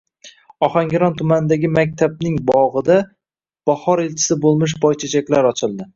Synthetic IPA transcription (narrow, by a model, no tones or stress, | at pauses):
ɒχaŋɡʲɪɾɒnt̪ʰʊmanɪd̪aɡʲɪmak̚ʲt̪ʰab̚nɪŋbɒʁɨd̪a | b̥ahɒɾelt͡ʃʰɪ̥sɪbolˠmɪʃ̬bɒjt͡ʃʰat͡ʃʰakʲlaɾɒt͡ʃʰɪlˠd̪ɪ